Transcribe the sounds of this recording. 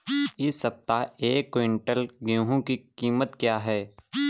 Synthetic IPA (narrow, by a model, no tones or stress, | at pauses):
ɪsːɐp̚t̪aeːkːoɪ̃ɳʈəlɡjõːɦõkikiːmət̪kjaːɦɛː